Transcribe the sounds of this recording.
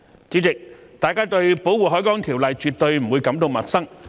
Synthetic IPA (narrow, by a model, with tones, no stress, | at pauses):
t͡siː˨˥t͡sɪ˨˩k̚t̪aː˨˩jkaː˥t̪ɵ˧ɥpo˨˥wuː˨˩ɦɔː˨˥jkɔː˨˥ŋt̪ʰi˨˩wlɐ˨˩jt͡ʃyː˨˩t̚t̪ɵ˧ɥm̩˨˩wuː˨˧jkɐ˨˥mt̪o˧wmɐ˨˩t̚sɐ˥ŋ